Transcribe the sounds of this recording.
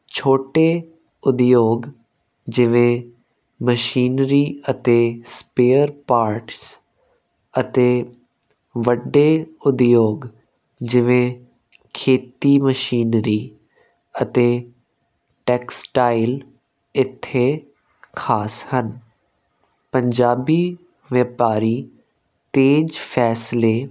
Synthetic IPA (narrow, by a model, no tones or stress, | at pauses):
t͡ɕʰoːʈe | ʊd̪joːɡ | d͡ʑɪʋẽ | mɐʃiːnɾiɐt̪espeːəɾpaːɾʈs | ɐt̪e | ʋɐɖeʊd̪joːɡ | d͡ʑɪʋẽ | kʰeːt̪iməʃiːnɾi | ət̪e | ʈeːksʈaːɪl | ɪt̪ʰe | kʰaːshən | pɐ̃ɲd͡ʒaːbi | ʋepaːɾi | t̪eːd͡ʒfʰɛːsle